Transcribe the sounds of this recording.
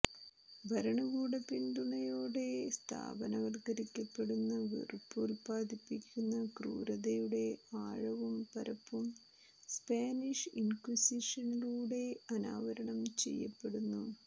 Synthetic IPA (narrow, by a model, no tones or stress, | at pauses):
bʱɐɾɐɳɐɣuːɽɐpind̪uɳɐjoːɽe̞st̪ʰa̰ːbɐnɐʋɐrɡɐɾikʲːɐpːe̞ɽunːɐʋḭrpːuːlpaːd̪ipːikʲːunːɐkrṵːɾɐðɐjuɽe̞aːɻɐʋumpɐɾɐpːum | spaːniʂinkwisiʂɐniluːɽe̞ɐna̰ːʋɐɾɐɳɐmt͡ɕe̞̰jːɐ̰pːeɽunːu